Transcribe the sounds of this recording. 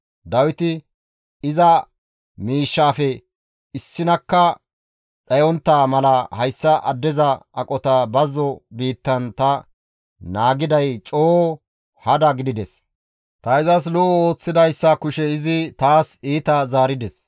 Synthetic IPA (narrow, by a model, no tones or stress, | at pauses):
d̪ɐwɪt̪ɪ | ɪzɐ | miːʃːaːfɛ | ɪsːɪnɐkːɐ | ɗɐjɔnt̪ːaːmɐlɐhɐjsːɐʔɐd̪ːɛzɐɐkʼɔt̪ɐbɐzːɔbiːt̪ːɐnt̪ɐ | naːɡɪd̪ɐjt͡ʃʼoː | hɐd̪ɐɡɪd̪ɪd̪ɛs | t̪ɐɪzɐs̬lɔo̞ːt͡sːɪd̪ɐjsːɐkʊʃɛɪzɪt̪aːsiːt̪ɐzaːɾɪd̪ɛs